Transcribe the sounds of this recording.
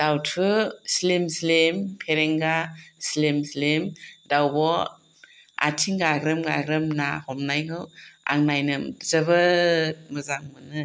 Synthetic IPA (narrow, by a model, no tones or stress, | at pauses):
d̥awtʰɯslemslempʰeɾeŋɡaslemslemdawbɔ | a̰tʰiŋɡaɡɾɯmɡaɡɾɯmnahɔmnajŋɯwa̰ŋnajnɯzɐbɐ | mɯzaŋmɯnɯ